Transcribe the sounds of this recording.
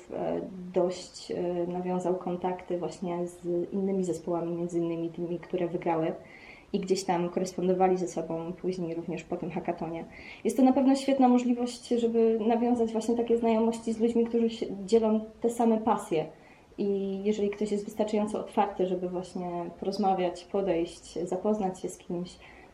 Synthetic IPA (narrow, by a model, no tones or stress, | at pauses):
fd̪ɔɕt͡ɕnavʲjɔ̃w̃zawkʰɔnt̪akt̪ɘvwaɕɲɛzḭnːɘmʲizɛspɔwamʲimʲjɛnd̪zɘinːɘmʲit̪ɘmʲikt̪uɾɛvɘɡɾawɘ | iɡd͡ʑeɕt̪amkɔɾɛspɔnd̪ɔvalʲizɛsɔbɔ̃w̃puʑɲejɾuvɲɛʂpɔt̪ɘmxakat̪ɔɲɛ | jɛst̪ːɔnapɛvnɔɕfʲɛt̪namɔʐlʲivɔɕt͡ɕʐɛbɘnavʲjɔ̃w̃zad͡ʑvwaɕɲɛt̪akʲɛznajɔmɔɕt͡ɕizlud͡ʑmʲikt̪uʐɘɕɛd͡ʑɛlɔ̃w̃t̪ɛsamɛpasʲjɛ | ijɛʐɛlʲikt̪ɔɕjɛst̪vɘst̪aɾt͡ʂajɔnt̪sɔɔt̪faɾt̪ɘʐɛbɘvwaɕɲɛpɔɾɔzmavʲjat͡ɕpɔd̪ɛjɕt͡ɕzapɔznat͡ɕɕɛskʲʰimɕ